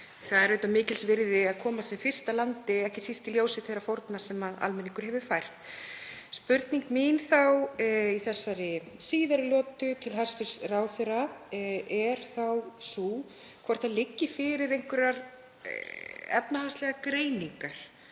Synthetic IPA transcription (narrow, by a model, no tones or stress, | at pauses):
θaðɛɾœːɥt̪amɪːcɪlsvɪɾðɪaðkʰɔːmasɛmfɪr̥st̪alant̪ɪɛhcɪsist̪ɪljowsɪθejɾafowɾt̪nasɛmaða̰lmɛnːiŋkʏɾ̥ɦɛvʏfajr̥t̪ | spʏɾt̪niŋkminθawiθɛsːaɾɪsiːðaɾɪlɔːt̪ʏt̪ʰɪlɦaɾ̥sɪɾ̥sraːwθɪɾa | ɛɾ̥θawsu | kʰvɔɾ̥t̪θalɪcːɪfɪɾɪɾejŋ̥kvɪɾaɾ | ɛ̰pnahast̪lɛɣakɾeːjniŋkaɾ̥